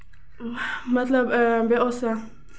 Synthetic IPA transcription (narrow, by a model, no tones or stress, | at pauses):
matlabɛbɛʔɔsa